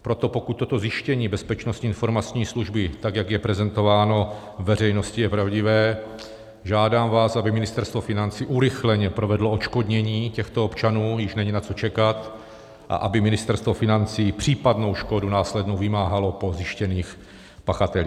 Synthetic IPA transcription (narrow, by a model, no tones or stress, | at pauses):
pɾot̪o̞po̞kut̪̚t̪ːot̪o̞zjɪʃcɛɲiːbɛspɛt͡ʃnost̪ɲiɪnfo̞ɾmat͡sɲiːsluʒbɪt̪aɡjaɡjɛpɾɛzɛnt̪o̞vaːno̞ | vɛr̝ɛjno̞scɪjɛpɾavɟɪvɛː | ʒaːdaːmvaːsʔabɪmɪnɪst̪ɛɾst̪vofɪnant͡siːʔuɾɪxlɛɲɛpɾovɛdloot͡ʃkodɲɛɲiːcɛxt̪oopt͡ʃanuːjɪʃnɛɲinat͡so̞t͡ʃɛkat̪ | ʔa̰ʔabɪmɪnɪst̪ɛɾst̪vo̞fɪnant͡siːpr̝̥iːpadno̞wʃkodunaːslɛdnowvɪmaːɦalo̞po̞zɪʃcɛniːx | paxat̪ɛliː